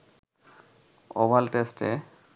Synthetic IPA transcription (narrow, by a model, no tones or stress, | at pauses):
obalʈesʈḛ